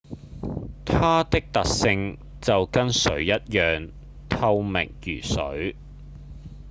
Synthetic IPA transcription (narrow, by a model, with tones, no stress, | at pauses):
t̪ʰaː˥t̪ɪ˥k̚t̪ɐ˨k̚sɪ˧ŋ | t͡sɐ˨wkɐ˥nsɵ˨˥ɥjɐ˥t̚jœː˨ŋ | t̪ʰɐ˧wmɪ̰˨˩ŋjyː˨˩sɵ̰˨˥ɥ